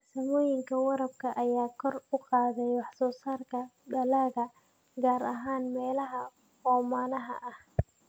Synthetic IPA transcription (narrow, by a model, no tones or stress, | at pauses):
sɐmɔːjɪŋkʰɐwɑɾɐb̚kʰɐʔɐjaːkʰɔrʊqɑːðɛjwɑħsɔːsaːrkʰɐɖɐlaːɣɐ | ɡaːɾɐ̰ɦaːnmɛːlɐɦɐ | ɔːmaːnɐɦɐ̰ʔɐh